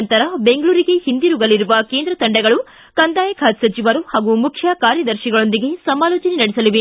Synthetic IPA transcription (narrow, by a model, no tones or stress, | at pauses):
nt̪ɐɾɐbe̞ŋɡɭuːɾiɡe̞hind̪iɾuɡɐliɾuʋɐke̞ːnd̪ɾɐt̪ɐɳɖɛɡɐɭu | kɐnd̪aːjɐkʰaːt̪sɐt͡ʃiʋɐɾuhaːɡumukʰjɐkaːɾjɐd̪ɐɾʃiɡɐɭo̞nd̪iɡe̞sɐmaːloːt͡ʃɐnɛnɐɽisɐliʋe